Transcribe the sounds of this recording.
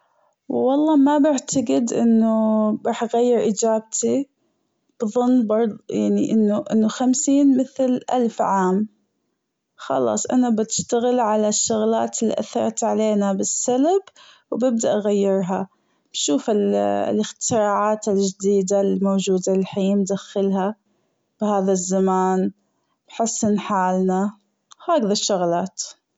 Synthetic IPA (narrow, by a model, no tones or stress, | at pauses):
wwɑlˤːɑːmabɪʕt̪aɡɪd̪ʔɪnːʊɾˤɑːħʔɣajːɪɾʔid͡ʒaːbt̪ʰi | b̥ðˤʊnːbɑɾˤðˤjaʕniʔɪnːʊʔɪnːʊxamsiːnmɪθlʔalfʕaːm | xɑ̰lɑ̰ːsˤʔa̰nabɪt̪ɪ̥ʃt̪aɣɪlʕalaʃːʊɣla̰ːt̪ɪlːḭʔaθːɑ̰ɾˤt̪ʕaleːnabɪsːalbwbɪb̚d̪aʔɣajːɪɾˤɦa | b̥ʃuːfɪllɪxt̪ɪɾɑːʕaːt̪ɪld͡ʒɪd̪iːd̪almoːd͡ʒuːd̪alɪlħiːmd̪axːɪlha | b̥ɪhaːðazːamaːn | b̥ħɪsːɪnħaːlna | haːɡðaʃːʊɣlaːt̪